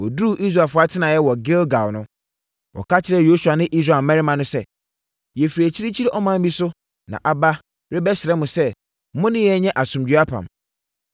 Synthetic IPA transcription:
ɔ˨du˦˨ʔi˦sɾa˨fʊ˦a˦tʰɪ˦nã˨jɛ˦wɔ˨ɡɪ˦lɡa˨wnʊ̃˦ | wɔ̰˨ka˦t͡ɕʰɪ˨ɾɛ˦jo˦su˨a˨nɪ̃˦ʔi˦s̬ɾa˨mːɛ̃˦ɾɪ˦mã˨nʊ̃˦sɛ˦ | jɛ˨fiɾi˨æ˨t͡ɕʰi˦ɾi˦t͡ɕʰi˦ɾɛ˦ʔɔ˦mã˦m̩˦bi˦sʊ˦ | nã̰˨ʔa˨ba˦ | ɾɪ˦bɛ˦sɪ˨ɾɛ˦mʊ̃˨sɛ˦ | mʊ̃˦nɪ̃˦jɛ˨˦ɲɛ̃˦ʔa˨sʊ̃˨md͡ʑɥa˦pʰã̰˨m

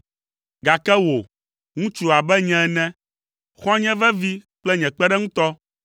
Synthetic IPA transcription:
ɡa˨kɛ˦wo˨ | ŋũ˦t͡ʃu˨a˨bɛ˦ɲɛ̃˦˨nɛ̃˦ | xɔ̃˦ɲɛ̃˦vɛ˦vi˦k͡plɛ˦ɲɛ̃˨k͡pɛ˦ɖɛ˦ŋũ˦t̪ɔ˦

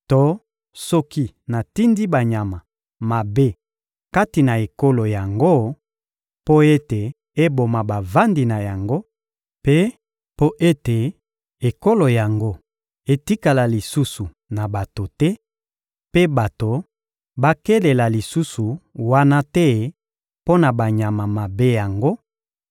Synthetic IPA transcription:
to˦ | sɔ˦ki˦ | na˨ti˦ndi˦ba˨ɲa˨ma˨ | ma˨be˦ | ka˦ti˨na˨e˨ko˦lo˨ja˨ŋɡo˦ | po˦e˦te˨ | e˦bo˨ma˨ba˨va˦ndi˨na˨ja˨ŋɡo˦ | pe˦ | po˦ʔe˦te˨ | e˨ko˦lo˨ja˨ŋɡo˦ | e˦ti˦ka˨la˨li˨su˦su˨ | na˨ba˨to˨tɛ˦ | pe˦ba˨to˨ | ba˦ke˦le˨la˨li˨su˦su˨wa˦na˦tɛ˦ | po˦na˨ba˨ɲa˨ma˨ma˨be˦ja˨ŋɡo˦

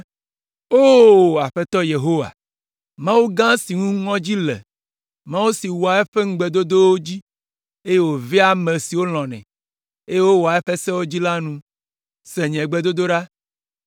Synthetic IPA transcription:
o˦a˨ɸe˦t̪ɔ˦je˨ɦo˦wa̰˨ | mã˦wu˦ɡã˦si˨ŋũ˦ŋɔ̃˦d͡ʑi˦lɛ̰˨ | mã˦wu˦si˨wo˨a˨e˦ɸe˦ŋ̩˦ɡ͡be˨d̪o˦d̪o˦wo˦d͡ʑi˦ | e˦je˦wo˨vi˦a˦mẽ˨si˨wo˦l̃ɔ̃˨nɛ̰̃˨ | e˦je˦wo˦wo˨a˨e˦ɸe˦sɛ˦wo˦d͡ʑi˦la˦nũ˦ | se˨ɲɛ̃˨ɡ͡be˦˨d̪o˦d̪o˦ɖa˦

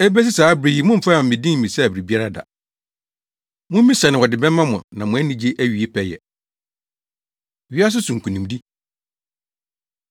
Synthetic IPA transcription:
ɛ˦bæ˦s̬ɪ˦saː˨˦bɾi˨ji˨mʊ̃˦m̩˨fa˦mã˨ɪ̃˨dĩ˦ŋ̩˨ĩ˨sɛ˦˨bɪ˨ɾi˨bi˦a˦ɾa˦da̰˨ | mʊ̃˦m̩˦mĩ˦sa˨nɪ̃˨wɔ˨dɪ˨bɛ̃˦m˦mã˦mʊ̰̃˨nã˨mʊ̃˨˦æ˦nĩ˦d͡ʑe˦ʔæ˦ɥi˨e˦pʰɛ˦jɛ̰˨ | ɥi˦a˦s̬ʊ˦sʊ̃˨ŋ̩˨kʰũ˨nĩ˨mdi˦

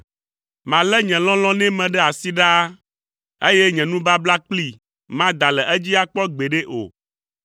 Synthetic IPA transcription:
mã˨lɛ˦ɲɛ̃˨lɔ̃˦lɔ̃˦nɛ̃˦mɛ̃˨ɖɛ˦a˨si˦ɖa˦ | e˦jɛ˦ɲɛ̃˨nũ˦ba˦bla˦k͡pli˦ | mã˦d̪a˨lɛ˨ʔɛ˦d͡ʑi˦a˦k͡pɔ˦ɡ͡be˨ɖe˦ʔo̰˨

